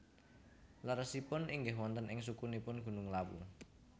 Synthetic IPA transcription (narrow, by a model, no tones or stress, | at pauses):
laɾəsipʊnʔiŋɡɪɦwɔnt̪ənɪŋsukunipʊnɡ̥ṳnʊŋlawṵ